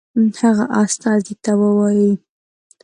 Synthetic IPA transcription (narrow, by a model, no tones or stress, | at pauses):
haɣaʔast̪ɑzit̪awəwɑji